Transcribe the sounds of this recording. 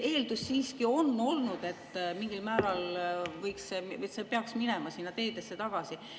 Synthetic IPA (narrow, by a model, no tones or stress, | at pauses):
e̞ːld̪̥usːiːskio̞nːo̞lnud̪̥e̞t̪ːmiŋɡilmæːɾɑlvɤjksemsepeɑksminɛmɑsinːɑt̪e̞ːd̪esːe̞t̪ɑɡ̥ɑsi